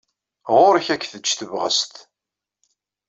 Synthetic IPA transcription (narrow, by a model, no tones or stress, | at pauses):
ʁʊɾəçækːθət͡ʃːθəvʁə̰st̪